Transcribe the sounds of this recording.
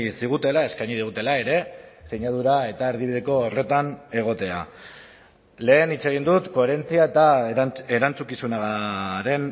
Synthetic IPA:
siɣ̞ut̪e̞lae̞skajɲiðiɣ̞ut̪e̞lae̞ɾe̞se̞ɲað̞uɾae̞t̪aeɾð̞iβiðe̞ko̞ːre̞t̪ane̞ɣ̞o̞t̪e̞a̰ | le̞ːnit͡se̞ɣ̞ind̪ut̪ko̞eɾe̞nt͡siae̞t̪ae̞ɾant͡sukisunaɾe̞n

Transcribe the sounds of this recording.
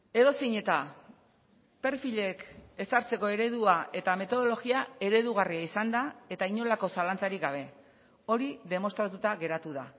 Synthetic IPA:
e̞ðo̞seɲe̞t̪a | pe̞ɾfiʎe̞ke̞saɾt͡se̞ko̞e̞ɾe̞ð̞uae̞t̪ame̞t̪o̞ð̞o̞lo̞ɣiae̞ɾe̞ðuɣ̞ariaisand̪ae̞t̪aiɲo̞lako̞salant͡saɾikɡaβ̞e̞ | o̞ɾiðe̞mo̞st̪ɾat̪ut̪aɣe̞ɾat̪uða

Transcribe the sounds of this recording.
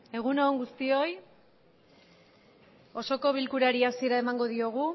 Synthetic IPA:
e̞ɣ̞unoːŋɡust̪io̞j | o̞so̞ko̞βilkuɾaɾiasieɾae̞maŋɡo̞ðio̞ɣ̞u

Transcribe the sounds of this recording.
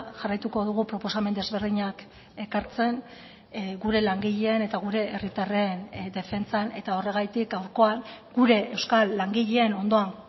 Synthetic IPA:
ʝarajt̪uko̞ðuɣ̞upɾo̞po̞same̞nd̪e̞zβeɾðiɲak | e̞kaɾt͡se̞ŋ | ɡuɾe̞laŋɡiʎeːne̞t̪aɣ̞uɾe̞ʔerit̪arend̪e̞fe̞nt͡sane̞t̪ao̞re̞ɣ̞ajt̪ikɡawɾko̞aŋɡuɾe̞ewskalːaŋɡiʎe̞ːno̞nd̪o̞aŋ

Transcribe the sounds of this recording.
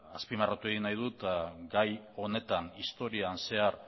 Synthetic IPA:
aspimarat̪ue̞ɣinajðut̪aɡaj | o̞ne̞t̪aŋist̪o̞ɾianse̞aɾ

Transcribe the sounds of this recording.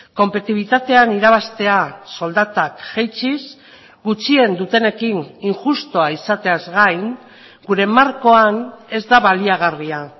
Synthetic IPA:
ko̞mpet̪iβ̞it̪at̪e̞aniɾaβ̞ast̪e̞aso̞ld̪at̪akʝejt͡ʃis | ɡut͡ʃie̞nd̪ut̪e̞ne̞kiniŋʝust̪oaisat̪e̞azɣajŋ | ɡuɾe̞maɾko̞ane̞zd̪aβaliaɣ̞aria

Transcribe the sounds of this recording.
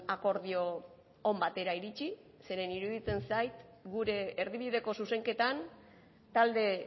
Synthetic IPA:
ako̞ɾðio̞ː | mbat̪e̞ɾaiɾit͡ʃi | se̞ɾe̞niɾuð̞it͡se̞nsajt̪ɡuɾe̞ːɾðiβið̞e̞ko̞suse̞ŋke̞t̪an | t̪ald̪e̞

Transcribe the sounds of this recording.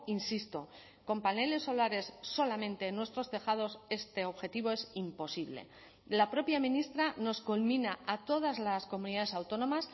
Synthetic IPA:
insist̪o̞ | ko̞mpane̞le̞sːo̞laɾe̞sːo̞lamẽ̞nt̪e̞ːnwe̞st̪ɾo̞st̪e̞xað̞o̞se̞st̪e̞o̞βxe̞t̪iβoe̞simpo̞siβle̞̰ | lapɾo̞pjamĩnist̪ɾano̞skulmĩnaat̪o̞ð̞azlasko̞mũniðaðesawt̪o̞no̞mas

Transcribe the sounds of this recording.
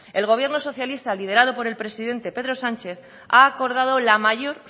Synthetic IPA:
e̞lɣ̞o̞βje̞ɾno̞so̞θjalist̪alið̞e̞ɾað̞o̞po̞ɾe̞lpɾe̞siðe̞nt̪e̞pe̞ðɾo̞sant͡ʃe̞θ | aːko̞ɾð̞að̞o̞lamaʝo̞ɾ

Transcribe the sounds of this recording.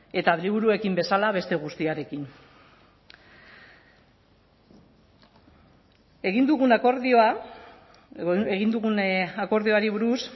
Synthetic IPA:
e̞t̪aðliβuɾue̞kimbe̞salaβe̞st̪eɣ̞ust̪iaɾe̞kin | e̞ɣind̪uɣunakoɾðioa | eɣind̪uɣunako̞ɾðio̞aɾiβuɾus

